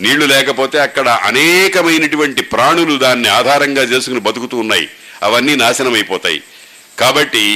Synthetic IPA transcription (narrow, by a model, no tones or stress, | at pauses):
niːɭːulɛːkɐpoːt̪e̞ːɐkːɐɽɐʔɐ̰nɛːkɐmɐjnɐʈuʋɐɳʈipɾaːɳulud̪aːnːiaːd̪ʱaːɾɐŋɡaːt͡ʃe̞ːsukunibɐt̪ukut̪uːnːaːjḭ | ɐ̰ʋɐnːiːnaːʃɐnɐmɐjipɔːt̪a̰ːjḭ | kaːbɐʈːi